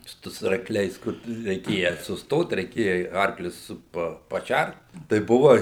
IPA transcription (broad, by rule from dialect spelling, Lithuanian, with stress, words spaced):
ˈtʊ sʊ ɐrkˈlʲɛɪs ˈkʊr tʊ rʲɛɪˈkʲeːjɛ sʊsˈtoːt rʲɛɪˈkʲeːjɛ ɪ ˈɐrklʲʊs ˈsʊ pɐ pɐˈʃʲært tɐɪ ˈbʊʋɐ